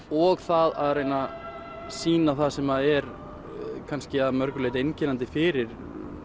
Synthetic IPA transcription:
ɔɣθaða̰ðɾrejna | siːnaθaðsɛmaðɛɾ | kʰanscɪaðmœɾkʏleːjt̪ejncɪnant̪ɪfɪːɾɪɾ̥

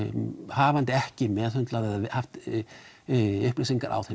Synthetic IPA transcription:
haːvant̪ɪɛhcɪmɛðhʏnt̪laðɛðhaft̪ | ʏhplisiŋka̰ɾʔa̰wθe

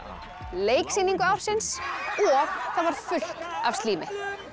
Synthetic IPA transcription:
leːjksiniŋkʏawfsɪnsɔɣθaðvaɾ̥fʏl̥kav̥st̪liːmɪ

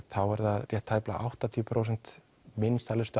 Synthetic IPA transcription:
θawvaɾðaðrjɛht̪ʰːajpla̰ʔa̰wht̪at̪ʰiʏpʰɾowsɛn̥t̪ | mɪnst̪alɪst̪

